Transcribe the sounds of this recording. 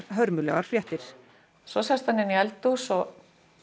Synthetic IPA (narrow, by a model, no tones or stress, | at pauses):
ɾɦœɾmʏlɛɣaɾ̥fɾjɛht̪ɪɾ̥ | sɔsast̪hanːɪniɛlt̪usɔ